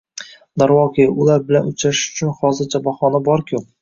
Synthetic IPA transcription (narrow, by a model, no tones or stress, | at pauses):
d̪aɾwɒqʰiʊlaɾbɪlanʊt͡ʃʰɾaʃɪ̥ʊ̥t͡ʃʰʊnχɒzɪɾt͡ʃʰabɒχɒnabɒɾkʲʰʊ